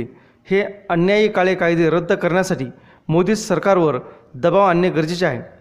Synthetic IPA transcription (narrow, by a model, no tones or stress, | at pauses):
heənjajiːkaɭekajd̪iɾəd̪ʱːəkəɾɳjasaʈiː | mod̪iːssəɾkaɾʋəɾ | d̪əbaʋənjəɡəɾd͡ʑit͡ɕaɦḛ